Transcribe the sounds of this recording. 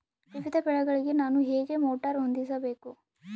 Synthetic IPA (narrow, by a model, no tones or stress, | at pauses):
ʋiʋid̪ʱɐpɛɭɐɡɐɭiɡe̞naːnuɦeːɡe̞moːʈɐɾɦond̪isɐbe̞ːku